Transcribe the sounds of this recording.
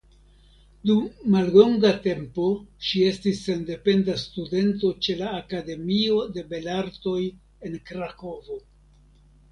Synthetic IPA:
dumːalːo̞ŋɡate̞mpo̞ʃie̞stisːe̞nde̞pe̞ndastude̞nto̞t͡ʃe̞laːkade̞mio̞de̞be̞laɾto̞j | e̞nkɾako̞vo̞

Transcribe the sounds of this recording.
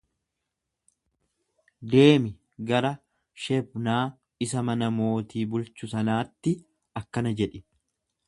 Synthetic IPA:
d̪e̞ːmɪ | ɡɐɾɐ | ʃɛbnaː | ɪsɐmɐnɐmo̞ːt̪iːbʊlt͡ʃʊsɐnaːt̪ːɪ | ɐkːɐnɐd͡ʒɛᶑɪ

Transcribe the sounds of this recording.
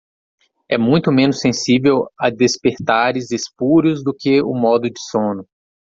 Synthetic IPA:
ɛmũj̃t̪ʊmẽnʊsːẽsivewɐd̪espeɾt̪aɾɪzespuɾjʊzd̪ʊkɪʊ̰mɔd̪ʊd͡ʒɪsõnʊ

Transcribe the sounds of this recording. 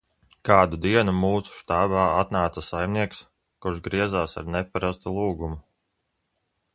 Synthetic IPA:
kaːd̪ud̪iɛnumuːsu̥ʃt̪aːbaːat̪naːt̪sasajmniɛks | kuɾʃɡɾiɛzaːsa̰ɾnɛpaɾast̪ulˠuːɡumu

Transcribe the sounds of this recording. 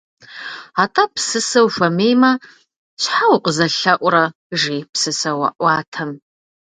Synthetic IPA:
atʰʼɐpsɨsɐwfʷɐmeːjmɐ | ʃħawqʼəzɐɬɐʔʷʼɾɐ | ʒiːpsɨsɐwɐ̰ʔʷɑːtʰɐm

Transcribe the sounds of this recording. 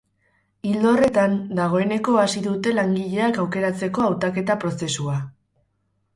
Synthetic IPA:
ild̪o̞re̞t̪and̪aɣ̞o̞e̞ne̞ko̞asiðut̪e̞laŋɡiʎe̞akawke̞ɾat͡se̞ko̞awt̪ake̞t̪apɾo̞se̞sua

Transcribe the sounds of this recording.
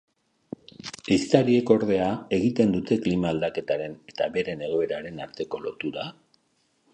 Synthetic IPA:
ejst̪aɾie̞ko̞ɾðe̞ae̞ɣ̞it̪e̞nd̪ut̪e̞klimaːld̪ake̞t̪aɾe̞ne̞t̪aβe̞ɾe̞ne̞ɣo̞e̞ɾaɾe̞naɾt̪e̞ko̞lo̞t̪uɾa

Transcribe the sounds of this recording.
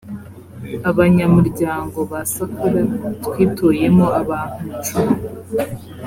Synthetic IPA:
aβaɲamuɾɟaːŋɡo̞βasakuɾatwiːtʰoje̞mo̞aβaːn̥hut͡ʃum

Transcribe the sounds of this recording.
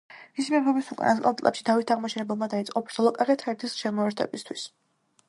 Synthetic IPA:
misimɛpʰɔbisukʼa̰naskʼa̰lt̪ʼlɛ̰pʃi̥d̪ʰavit̪ʰaʁmɔʃɛnɛbɛlˠmad̪ait̪sʼqʼɔpʰɾt̪ʰɔlˠɔkʼaʁɛt̪ʰɛɾt̪ʰisʃɛmɔɛɾt̪ʰɛ̰bist̪ʰwis

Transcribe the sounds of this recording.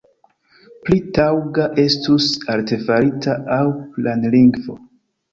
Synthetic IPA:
plitawɡaʔe̞stusalte̞faɾitaawplanliŋɡvo̞̰

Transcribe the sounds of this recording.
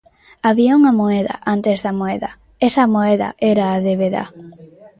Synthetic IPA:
aβiauŋɐmoɛðɐ̰ʔant̪ezðɐmoeðɐ̰ | ɛsɐmoɛðɐ̰ʔɛɾaːðeβeða̰

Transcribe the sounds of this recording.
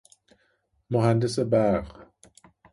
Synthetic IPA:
moɦandəsəbaːʁ

